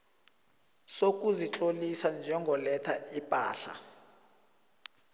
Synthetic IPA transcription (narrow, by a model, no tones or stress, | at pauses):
sok̬ʼuzit͡ɬʼolisand͡ʒʱɛŋɡʱɔlɛtʰaipʼa̰ːɬa̰